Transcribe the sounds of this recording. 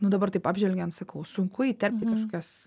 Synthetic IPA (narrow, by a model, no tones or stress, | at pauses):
nʊd̪ɐbɐrt̪ɐɪpaːbʲʒʲʋʲɛlʲɡʲɛɐnsɐkɐʊsʊŋkʊiːt̪ʲɛrp̚ʲt̪ʲɪkɐʃkoːkʲuːs